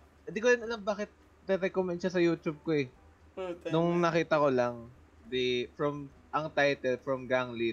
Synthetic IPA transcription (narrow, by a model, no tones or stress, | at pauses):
ɪ̃nd̪ikojɪnɐlambaːkɪt̪̚ | ɾɛɾɛkomɛnʃɐsɐjuːt̪ʊb̚koɛ | nʊŋnɐkiːt̪ɐkolaŋ | d̪ifɹɔm | ʔɐŋt̪ajt̪ɛlfɾɐmɡaŋli